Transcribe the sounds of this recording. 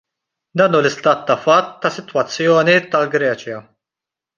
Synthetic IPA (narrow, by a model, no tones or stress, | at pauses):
d̪ɐːnuːlɪst̪ɐːt̪ːɐfɐt̪ːɐsɪt̪wɐt͡sːjɔːnit̪ɐlɡɾɛːt͡ʃjɐ